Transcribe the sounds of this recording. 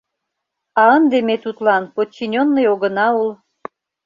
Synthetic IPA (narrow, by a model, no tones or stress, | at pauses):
ɑənd̪emet̪ut̪lɑnpot͡ɕːinʲonːəjoɣə̆nɑul